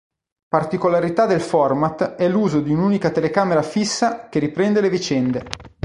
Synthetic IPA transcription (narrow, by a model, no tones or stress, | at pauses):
part̪ikolaɾit̪ad̪elfɔrmat̪ɛlːuːzod̪iunuːnikat̪elekaːmeɾafisːak̟eɾipɾɛnd̪elevit͡ʃɛnd̪e